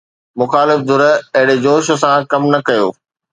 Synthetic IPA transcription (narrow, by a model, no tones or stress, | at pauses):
mʊxaːlɪfd̪ʱʊɾəɐɦɪɽed͡ʑoːʃʊ̆s̬ãkɐmnɐkɐjo̰ː